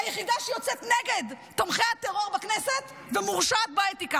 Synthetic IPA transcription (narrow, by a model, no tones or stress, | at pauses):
ajeχid̪aʃejot͡set̪neɡe̞d̪ | t̪o̞mχeat̪eʁo̞ʁbakneset̪ | vemuʁʃat̪̚baet̪ika